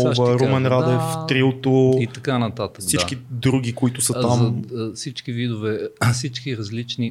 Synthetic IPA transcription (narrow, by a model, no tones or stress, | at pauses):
oʃvaɾomɛnɾad̪ɛft̪ɾilˠt̪oit̪ɐkanɐt̪at̪əkdsit͡ʃakid̪ɾuɡʲikʊit̪ʊsəamzɐfsit͡ʃkivid̪ʊvɛfsit͡ʃkiɾɐzlit͡ʃni